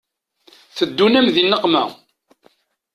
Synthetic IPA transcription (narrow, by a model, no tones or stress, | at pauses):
θəd̪ːunæmðinːəqmæ̰